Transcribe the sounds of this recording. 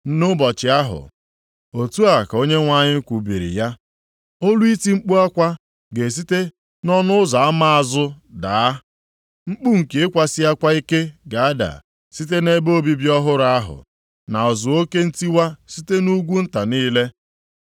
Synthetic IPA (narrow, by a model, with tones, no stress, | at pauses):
n̩˦nʊ˦bɔ˨t͡ʃɪ˨a˦ɦʊ̰˨ | o˨tu˦a˨ka˨o˦ɲe˦ŋʷa˦ɲɪ˦kʷu˨bi˨ɾḭ˨ja˦ | o˦lu˦i˦ti˦ŋ͡m̩˦k͡pu˦a˦kʷa˦ | ɡe˨s̬i˦te˦ | nɔ˦nʊ˦za˨a˦ma˦a˨zʊ˦da˨a˦ | ŋ͡m̩˦k͡pu˦ŋ̩˨ke˨ɪ˦kʷa˨sɪ˦a˦kʷa˦i˦ke˦ɡa˨a˦da̰˨ | si˦t̬e˦ne˦bo˦bi˨bi˦ɔ˦ɦʊ˦ɾa˦a˦ɦʊ̰˨ | na˨ɔ˨zʊ˨o˦ke˦n̩˦ti˦wa˦si˦te˦nu˦ɡʷu˦n̩˦ta˨niː˦le˦